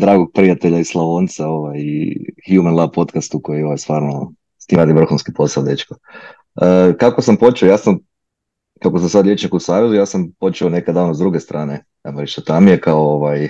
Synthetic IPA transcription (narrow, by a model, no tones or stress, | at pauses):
d̪ɾaːɡoɡ̚pɾijat̪e̞ʎaislˠaʋoːnt̪sao̞ʋajḭxjumanlˠab̚po̞t̪kast̪uko̞jioʋajst̪ʋaːɾno | siːɾaːd̪iʋr̩xunskipo̞saod̪e̞t͡ʃko | əkakosampo̞t͡ʃiojaːsam | kakosamsad̪lʎʲe̞t͡ʃnikusaːʋezujaːsampo̞t͡ʃɛonekad̪aːnozd̪ɾuɡest̪ɾʔaːne | amɾit͡ʃt̪ot̪amijekaooʋaj